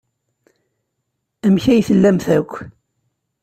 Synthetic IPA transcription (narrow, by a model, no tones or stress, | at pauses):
æmçæjθəlːæmθækʷː